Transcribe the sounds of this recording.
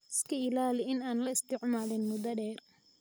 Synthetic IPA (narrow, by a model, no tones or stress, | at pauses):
ɪskʰɐɪlaːlɪɪnaːnlɐɪst̪ʰɪʕmaːlɪnmʊd̪ɐɖɛːr